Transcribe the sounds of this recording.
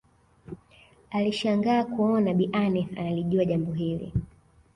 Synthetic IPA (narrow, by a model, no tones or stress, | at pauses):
aliʃaŋɡaːkuɔnaɓiʔanɛa̰naliʄuaʄambɔɦilḭ